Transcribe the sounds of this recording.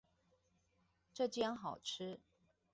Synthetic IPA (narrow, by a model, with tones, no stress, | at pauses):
ʈ͡ʂɤ˥˩t͡ɕjɑ˥ŋxɑ˨˩ʊʈ͡ʂ̩ʰ˥